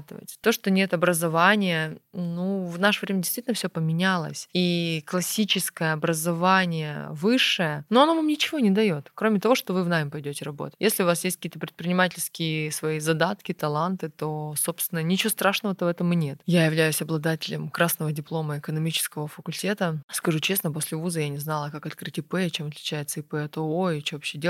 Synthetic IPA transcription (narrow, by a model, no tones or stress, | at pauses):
t̪ɨvə̰tʲt̪o̞ʂt̪o̞nʲe̞t̪ɐbɾəzɐvanʲɪjənuvnaʂəvɾʲemʲɪdʲɪst̪vʲitʲɪnfsʲopəmʲɪnʲalˠə̰sʲiklˠɐsʲit͡ɕɪskəjəɐbɾəzɐvanʲɪjə̰vɨʂːɨjənoɐnovamnʲɪt͡ɕɪvo̞nʲɪd̪ɐjo̞t̪kɾo̞mʲɪt̪ɐvo̞ʂt̪o̞vɨvnamʲɪpɐjdʲotʲɪrɐbo̞̰t̪ə̥tʲjesʲlʲɪʊvasjes̬ʲtʲkɐkʲiːt̪əpɾʲɪt̪̚pɾʲɪnʲɪmatʲɪlʲskʲɪɪsvɐizɐd̪at̪kʲɪt̪ɐlˠant̪ɨt̪o̞so̞pst̪vʲɪnənʲɪt͡ɕɪost̪ɾaʂnəvət̪əvɛt̪əmːɨnʲe̞t̪jajɪvlʲæjʉsʲɐblˠɐd̪atʲɪlʲɪmkɾasnəvədʲɪplˠo̞məɪkənɐmʲit͡ɕɪ̥skəvəfəkʊlʲtʲe̞t̪əskɐʐut͡ɕe̞snəpo̞sʲlʲɪvuzəjanʲɪznalˠəkakɐt̪̚kɾɨtʲɪpɛt͡ɕemɐt̪lʲɪt͡ɕæjɪt̪səɪpɛt̪ooɪt͡ɕovɐpɕːedʲe